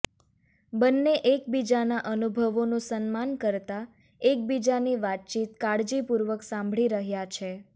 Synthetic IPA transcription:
bənːeʔekbid͡ʒanaʔənubʱəʋonũsənmankəɾt̪a | ek̚bid͡ʒaniʋat̪̚t͡ʃit̪kaɽd͡ʒipuɾʋəksãmbʱɭiɾəɦjat͡ʃʰe

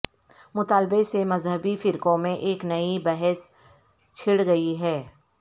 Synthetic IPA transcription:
mʊt̪aːlbesemɐzɦəbifɪɾkõmẽʔeːknɐibɛɦɛs | t͡ʃʰɪɽɡɐiɦɛː

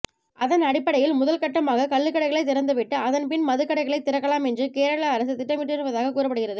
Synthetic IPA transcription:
ʔɐðɐnɐɽɪpːɐɽɐjɪlmʊðɐlkɐʈːɐmaːɣɐkɐɭːɯkːɐɽɐɪɣɐɭɐɪt̪ːɪɾɐnd̪ɯʋɪʈːɯɐðɐnpɪnmɐðɯkːɐɽɐɪɣɐɭɐɪt̪ːɪɾɐkːɐɭaːmɛndrɯkeːɾɐɭɐːɾɐsɯt̪ɪʈːɐmɪʈːɯɾɯʋɐðaːɣɐkuːrɐpːɐɽɯɣɪrɐðɯ

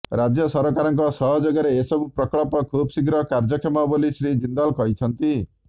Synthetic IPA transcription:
ɾad͡ʒjɔsɔɾɔkaɾɔŋkɔsɔɦɔd͡ʒoɡjaɾeːsɔbupɾɔkɔɭɔpɔkʰubɔsikɾɔkaɾd͡ʒɔkʰemɔbolisɾid͡ʒind̪ɔlkɔɦit͡ʃʰɔnt̪i

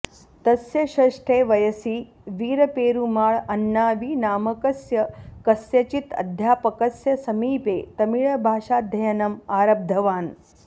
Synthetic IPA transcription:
t̪ɐsjɐʃɐʂʈʰeːʋɐjɐsiː | ʋiːɾɐpeːɾumaːɭɐnːaːʋiːnaːmɐkɐsjɐkɐsjɐt͡ʃit̪ɐ̰d̪ʱjaːpɐkɐsjɐsɐmiːpeːt̪ɐmiɭɐbʱaːʃaːd̪ʱɐjɐnɐmaːɾɐb̚d̪ʱɐʋaːn

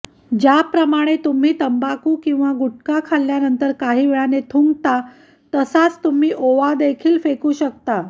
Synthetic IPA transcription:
d͡ʑjapɾəmaɽ̃et̪um̤iːt̪əmbakuːkĩw̃ʋaɡuʈ̚kakʰalːjanənt̪əɾkaɦiːʋeɭanet̪ʰuŋɡt̪a | t̪əsat͡st̪um̤iːʔoʋad̪ekʰiːlfekuːɕəkt̪a

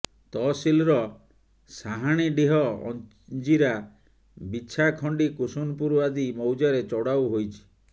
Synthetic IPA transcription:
t̪ɔsilɾɔ | saɦaɽ̃iɖiɦɔɔ̰n | d͡ʒiɾa | bit͡ʃʰakʰɔɳɖikusunpuɾuad̪imɔwd͡ʒaɾet͡ʃɔɽawɦojt͡ʃʰi̥

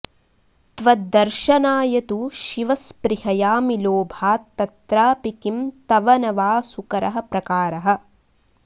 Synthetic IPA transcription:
t̪ʋɐd̪ɐɾʃɐnaːjɐt̪uʃiʋɐspɾiɦɐjaːmiloːbʱaːt̪ːɐt̪ɾaːpikimt̪ɐʋɐnɐʋaːsukɐɾɐɦɐ̆pɾɐkaːɾɐɦɐ̆

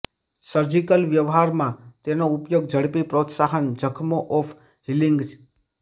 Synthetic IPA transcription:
səɾd͡ʒikəlʋjəʋɦaɾmãt̪enoupjoɡd͡ʒʱəɽpipɾot̪saɦənd͡ʒʱəkʰmoʔɔfʰ | ɦiliŋɡʰ

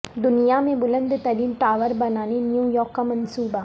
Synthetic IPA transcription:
d̪ʊnɪjaːmeʋʊlɐnd̪ɯt̪ɐɾinʈaːʋɐɾbɐnaːnenjuːjoːkɐmɐnsuːba

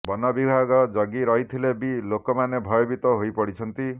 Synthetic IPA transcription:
bɔnɔbibʱaɡɔd͡ʒɔɡiɾɔɦit̪ʰilebilokɔmanebʱɔjɔbit̪ɔɦojpɔɽit͡ʃʰɔnt̪i

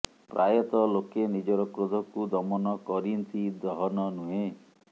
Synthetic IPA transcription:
pɾajɔt̪ɔlokenid͡ʒɔɾɔkɾud̪ʱɔkud̪ɔmɔnɔkɔɾint̪ʰid̪ɾɔɦɔnɔnuɦe

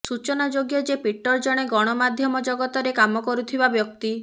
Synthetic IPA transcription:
sut͡ʃɔnad͡ʒoɡjɔd͡ʒepiʈːɔɾd͡ʒɔɽ̃eɡɔɽ̃ɔmad̪ʱjɔmɔd͡ʒɔɡɔt̪ɔɾekamɔkɔɾut̪ʰibabjɔk̚t̪i

